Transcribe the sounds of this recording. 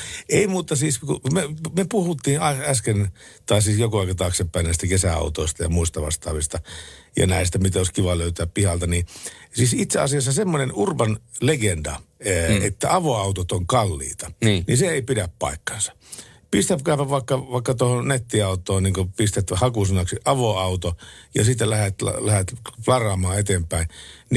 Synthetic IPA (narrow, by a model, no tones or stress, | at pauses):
eimuːt̪ːˑɑsiːskumemepuhut̪ːiːnɑæskent̪ɑisiːsjokuɑˑikɑt̪ɑːksepːæinæist̪ækesæɑ̰ut̪oˑist̪ɑjɑ̰muist̪ɑʋɑ̰st̪ɑ̰ːʋist̪ɑjɑ̰næˑist̪æmit̪oˑiskiʋɑløyt̪æppihɑlt̪ɑnisiːsit̪seɑ̰siɑsːɑsemːonenurbɑnleɡendɑ̰ḛt̪ːæɑʋoɑut̪ot̪oŋkɑlːḭːt̪ɑ̥niseeipiɾæppɑ̰ˑikːɑ̥nsɑ̥ | pist̪æpkæypæʋɑˑikːɑʋɑˑikːɑt̪ohonet̪ːiɑut̪ˑoːnniːŋkopist̪æt̪hɑkusinɑksiʔɑʋoɑut̪ojɑ̰sit̪ːælæhæt̪lɑ̰læhæt̪flɑrˑɑːmɑːet̪empæinni